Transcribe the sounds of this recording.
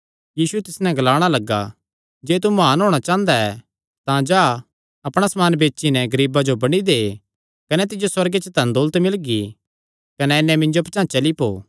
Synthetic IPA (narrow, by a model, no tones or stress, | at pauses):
jiːsuɛt̪ɪsnɛ̃ɡɐlaːɽ̃alɐɡːa̰ | d͡ʒeːt̪̬umaːnɦoːɽ̃at͡ʃãːə̃nd̪aɛ | t̪ãd͡ʒaː | ɐpɽ̃asɐmaːnbeːt͡ʃːʃinɛ̃ɡɐɾiːbad͡ʒobɐɽ̃id̪eː | kɐnɛt̪̬ɪd͡ʒoswɐɾɡet͡ʃət̪ɐ̃nd̪oːlət̪mɪlɡi | kɐnɛnːɛ̃mɪ̃ɲnd͡ʒopɐt͡ʃãːt͡ʃɐlipo̰ː